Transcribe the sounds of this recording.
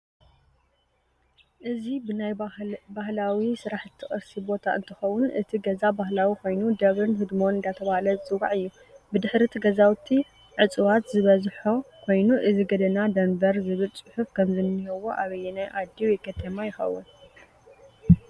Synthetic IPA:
ʔɨzibɨnajbaɦlawisɨɾaħɨt̪ʰːɨxʼɨɾsibo̞t̪ʰaɨ̰nt̪ʰɨ̥xɐwunʔɨt̪ʰiɡɐzabaɦlawikʰo̞jnud̪ɐβɾɨnɦɨd̪mo̞nɨnd̪at̪ʰɐβahalɐzɨt͡sʼɨwaʕɨjːu | bɨd̪ɨħɾit̪ʰiɡɐzawt̪ʰːi | ʕɨt͡sʼɨwat̪zɨβɐzħokʰo̞jnuʔɨziɡɐd̪ɐnad̪ɐmbɐɾzɨβɨlt͡sʼɨħufkʰɐmzɨnːiɦɐwoʔaβɐjːɛnajʔad̪iwjɛkʰɐt̪ʰɐmajɪxɐ̰wṵ

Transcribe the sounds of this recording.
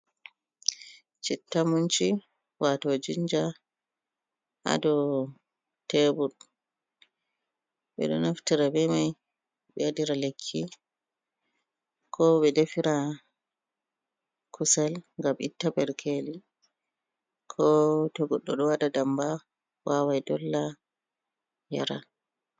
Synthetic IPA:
t͡ʃɛtːamunt͡ʃi | watod͡ʒiɲd͡ʒa | ʔa̰dɔ | tːebuɗ | ɓɛ̰ɗɔ̰naftiɾabɛmaj | ɓɛadiɾalekʰːi | kʰɔɓɛdefiɾa | kʰusalŋɡamʔḭtːabɛɾkʰeli | kʰɔtɔɡɔɗːɔɗɔwadadamba | wawajdɔlːa | jaɾa

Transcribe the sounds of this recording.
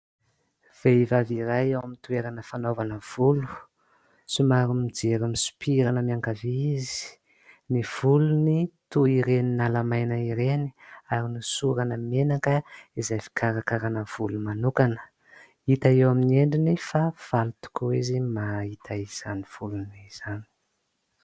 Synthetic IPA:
v̥eivaviɾajewamint̪ueɾanəfanovanəv̥ulu̥ | sumaɾumid͡ʒeɾimisu̥pʰiɾanəmiaŋkavizi̥ | niv̥ulunit̪uiɾeninalamajnəiɾeni̥aɾinisuɾanəmenakəizajfi̥kʰaɾakaɾanəv̥ulumanukanə̥ | it̪aewaminieɳɖ͡ʐinifav̥alut̪u̥koizimait̪ʰaiz̥aniv̥uluniz̥ani̥

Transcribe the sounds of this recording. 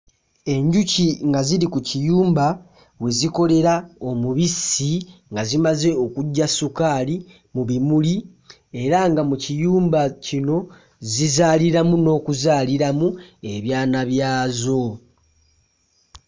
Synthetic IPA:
e̞ɲɟuciŋɡaziɾikucijuːmba | we̞ziko̞le̞ɾao̞muβisiŋɡazimaze̞o̞kuɟːasukaːli | muβimuli | e̞ɾaŋɡamucijuːmbacino̞ | zizaliɾamuno̞ːkuzaːliɾamue̞βjaːnaβjaːzo̞

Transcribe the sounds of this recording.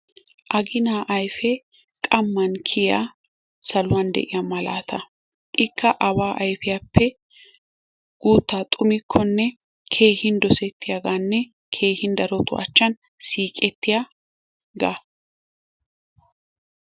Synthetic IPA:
ʔɐɡɪnaːʔɐjfɛ | kʼɐmːɐnkʰɪja | sɐlʊwɐnd̪ɛ̰ʔɪjamɐla̰ːt̪ʰɐ | ʔɪkʰːɐʔɐbaːʔɐjfɪjaːpːɛ | ɡ̥uːt̪ːaːt̪ʼʊmɪkʰːɔnːɛ | kʰe̞ːhɪnd̪ɔsɛt̪ːɪjaɡaːnːɛ | kʰe̞ːhɪnd̪ɐɾɔt̪ʊʔɐ̰t͡ʃːɐn | siːkʼɛt̪ːɪja | ɡa

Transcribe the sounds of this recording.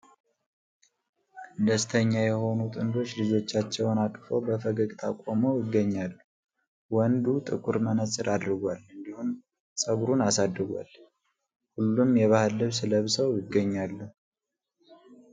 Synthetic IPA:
d̪əst̪ʰəɲːajɛho̞nut̪ʼɨnd̪o̞t͡ʃːlɨd͡ʒo̞t͡ʃːat͡ʃːɛwnak̪ʼfo̞̰bəfəɡəɡʼt̪ʰa̰kʷʼoməwjɪɡːəɲːalːu | wɔnd̪ut̪ʼɨkʼuɾmənəsʼɨɾad̪ɾɨɡʷalɨnd̪ihum | sʼəɡuɾunasad̪ɾɨɡʷa̰l | hulːumjɛβahɨlːɨβsɨləβsəwjɪɡːəɲːalːu

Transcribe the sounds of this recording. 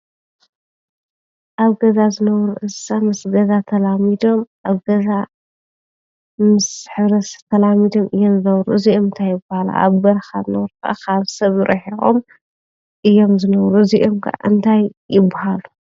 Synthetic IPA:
ʔaβɡɐzazɨnɐβɾuʔɨsamɨsɡɐzat̪ʰɐlamid̪o̞mʔaβɡɐza | mɨsħɨβɾɐst̪ʰɐlamid̪o̞mʔɨjːomzɨnɐβɾuʔɨziʔomɨnt̪ʰajːɪbahala̰ʔa̰βbɐɾxazɨnɐβɾukʰaʔa̰kʰaβsɐβɾʔɐħiɣo̰m | ʔɨjːo̞mzɨnɐβɾuɨziʔomkʰa̰ʔa̰ʔɨnt̪ʰajːɪbːahalu

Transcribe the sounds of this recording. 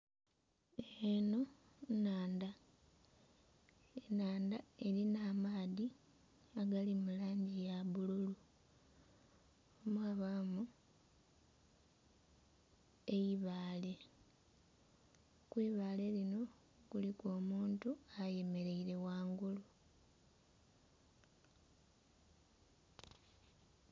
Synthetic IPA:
eno̞ | naːnda | enaːndae̞ɾinaːmaːði | aɡalimulaːɲɟijaβululu | omwaːβamu | e̞jiβaːle̞ | kwiːβaːle̞lino̞ | ɡulikoːmuːntuaje̞me̞ɾe̞iɾe̞waːŋɡulu

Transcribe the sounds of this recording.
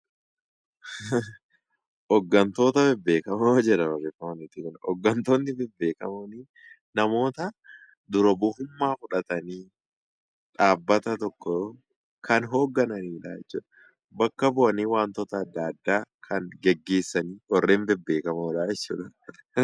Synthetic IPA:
ʔɔɡːɐnt̪o̞ːt̪ɐbɛbːe̞ːkɐmɐd͡ʒɛᶑɐbɐrːefɐmɐnɛt̪ːɪkʊnɔɡːɐnt̪onːɪbɛbːe̞ːkɐmɐniː | nɐmo̞ːt̪ɐ | d̪ʊɾɐbʊhʊmːaːfʊᶑɐt̪ɐniː | ᶑaːbːɐt̪ɐt̪ɔkːɔ | kʰɐnɦo̞ːɡːɐnɐniːᶑa̰ːɛt͡ʃːṵːᶑɐ̥ | bɐkːɐbʊʔɐniːwaːnt̪ɔt̪ɐːd̪ːaːd̪ːaːkʰɐnɡɛɡːe̞ːsːɐniːhɔrːeːnbɛbːe̞ːkɐmɐᶑaːjɛt͡ʃːṵːᶑɐ

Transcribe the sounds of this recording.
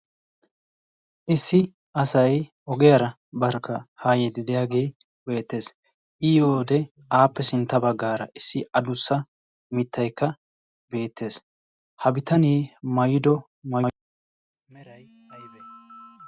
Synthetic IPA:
ʔɪsːɪ | ɐsɐjʔɔɡɛjɐɾɐ | bɐɾkːɐhaːjɛd̪ɪd̪ɪjaːɡe̞ː | be̞ːt̪ːe̞ːs | ʔiːoːd̪ɛ | aːpːɛsɪnt̪ːɐbɐɡːaːɾɐ̰ʔɪsːɪɐd̪ʊsːɐ | mɪt̪ʰːɐjkːɐ | be̞ːt̪ːe̞ːs | hɐbɪt̪ʰɐniːmɐjɪd̪ɔ | mɐ

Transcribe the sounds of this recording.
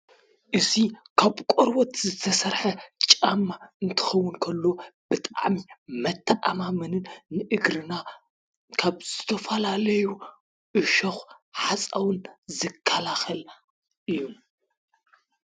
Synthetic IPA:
ʔɨzikʰaβkʼɔɾwot̪zɨt̪ʰɐsɐɾħɐt͡ʃʼamːaɨnt̪ʰɨ̥xɐwːʊnkʰɐlːo̞b̥ɨt̪ʼaʕmimɐt̪ʰːɐʔa̰mamɨnɨnːɨʔɨɡɾɨna | kʰaβz̥ɨt̪ʰɐfɐlalɐju | ʔɨʃɐxħasʼawɨnzɨkʰːɐlaxɐl | ʔɨjːum

